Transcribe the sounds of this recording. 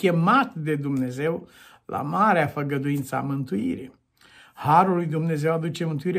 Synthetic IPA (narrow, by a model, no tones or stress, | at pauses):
kʲe̞mat̪d̪e̞d̪umne̞ze̞w | lʔa̰maɾeafəɡəd̪uint̪səa̰mɨnt̪uḭɾḭ | haɾulːujd̪umne̞ze̞wad̪ut͡ʃe̞mɨnt̪uiɾe